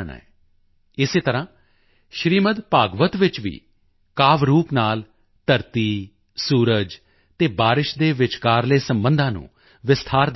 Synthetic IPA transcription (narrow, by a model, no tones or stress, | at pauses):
ɳa̰ːɛː | ɪseːt̪əɾãː | ʃɾiːmət̪paːɡʋət̪ʋɪt͡ʃʋḭː | kaːʋɾuːpnaːl | t̪əɾt̪iː | suːɾəd͡ʒ | t̪eːbaːɾɪʃd̪eːʋɪt͡ʃkaːɾleːsəmbənd̪ãːnṵ̃ː | ʋɪst̪ʰaːɾd̪